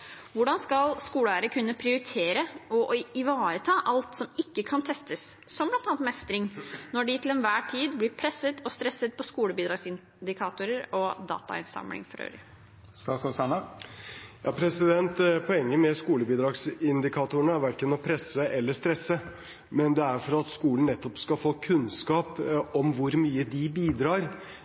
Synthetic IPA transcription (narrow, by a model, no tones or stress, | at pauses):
ʋʊɖɑnskɑlskuːləæːɾəkʰʉnːəpʰɾɪʊɾɪt̪ʰeːɾəɔɪʋɑːɾət̪ʰɑːʔɑlt̪sɔmɪkːəkʰɑnt̪ʰɛst̪əssɔmblɑnɑːnt̪mɛst̪ɾɪŋnɔɖɪt̪ʰɪlɛnʋæːʈʰiːd̪blɪɾpʰɾɛsːət̪ʰɔst̪ɾɛsːət̪̚pɔskuːləbiːd̪ɾɑːɡsɪn | d̪ɪkʰɑːt̪ʊɾəɾɔd̪ɑ̰ːt̪ɑ̰ɪ̰nsɑ̰mlɪ̰ŋfɔɾø̰ːɾə̰ | st̪ɑːsɑsɑnɑ | jɑ̰ːpʰɾɛsɪd̪ɛnt̪pʰɔɛŋːəmɛskuːləbiːd̪ɾɑːɡsɪnd̪ɪkʰɑt̪ʊəɳəæɾʋæɾkənɔpʰɾɛsəʔɛlːəʂt̪ɾɛsːə | mɛnd̪ɛæɾfɔɾɑt̪skuːln̩nɛt̪ːɔpskɑfoːkʰʉnskɑːpɔmʋʊɾmyːəd̪ɪbiːd̪ɾɑːɾ